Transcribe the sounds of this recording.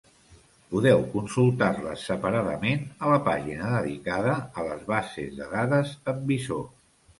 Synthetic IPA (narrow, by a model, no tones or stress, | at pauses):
puðɛwkunsulˠt̪arlə̰sːəpəɾaðəmenələpaʒinəðəðḭkaðəːləzβasḛzðəðaðəzəmbiso